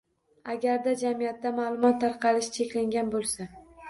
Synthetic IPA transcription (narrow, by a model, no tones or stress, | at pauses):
aɡʲaɾd̪ad͡ʒamijat̪ːamalˠʊmɒt̪ʰːaɾqʰɑlɪʃt͡ʃʰe̞kʲlaŋɡʲanbolˠsa